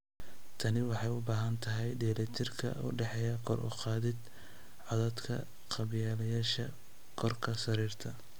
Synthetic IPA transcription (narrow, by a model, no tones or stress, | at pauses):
t̪ʰɐnɪwɑħɑjʊbaːɦɐnt̪ʰɐɦɛjɖiːlɐt̪ʰɪrkʰɐ̰ʊ̰ɖɛħɛjɐkʰɔrʔʊ̰qɑːðɪd̪ | ʕɑðɐd̪kʰɐ̰ | qɑβjaːlɐjaːʃɐ | kʰɔrkʰɐsɐɾiːrt̪ʰɐ